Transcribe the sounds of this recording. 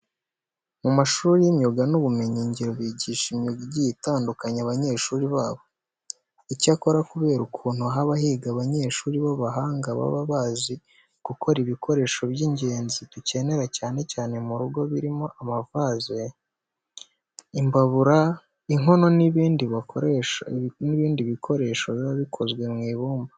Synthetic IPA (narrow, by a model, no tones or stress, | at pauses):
mumaʃuːɾijimɲo̞ɡanuβume̞ɲiɲɟiɾo̞βiːɟiːʃimɲoɡiɟijitaːndukaɲaβaɲe̞ːʃuːɾiβaːβo̞ | icako̞ɾakuβe̞ːɾukʰuːn̥huaɦaβahiɡaβaɲe̞ːʃuːɾiβaβaɦaːŋɡaβa̰βaβazi | ɡ̥ukʰo̞ɾiβikʰo̞ɾe̞ːʃo̞βjiɲɟe̞ːnzituce̞ne̞ɾacaːne̞caːne̞muɾuɡo̞βiɾimo̞ʔamavaze | imbaβuɾa | iŋo̞no̞niβiːndiβa | niβiːndiβikʰo̞ɾe̞ːʃo̞ββaβikʰo̞zɡwe̞mŋiːβuːmba